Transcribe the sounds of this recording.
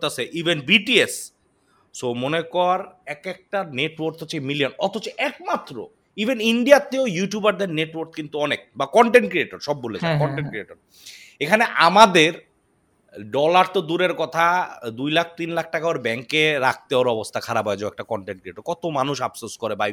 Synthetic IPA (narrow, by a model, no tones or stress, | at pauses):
t̪asʰeʔibenbiʈies | somonekɔɾɛkɛk̚ʈaneʈwoɾt̪ɦoemilijonɔt̪ot͡ɕeʔɛkmat̪ːɾo̰ | ibʱeniɳɖijat̪ːeojuʈjubaɾd̪eɾneʈwoɾt̪̚ʰkint̪uɔnek̚bakɔɳʈeɳʈkɾieʈoɾʃɔbːoled͡ʑʰakɔɳʈeɳkɾieʈoɾ | ekʰaneʔamad̪eɾ | ɖɔlaɾt̪od̪uɾeɾkɔt̪ʰad̪ujlak̚ʰt̪inlak̚ʰʈakaoɾbɛŋkeɾak̚ʰt̪eoɾɔbost̪ʰakʰaɾapɔed͡ʑaɛk̚ʈakɔɳʈeɳʈkɾieʈoɾkɔt̪omanuʃapsoskoɾebaj